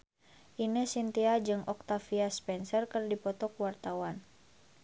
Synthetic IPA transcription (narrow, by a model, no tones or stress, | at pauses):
ʔinəsint̪iad͡ʒɨŋʔɔk̚t̪afiaspɛnsərkɨrdipɔt̪ɔkwart̪awan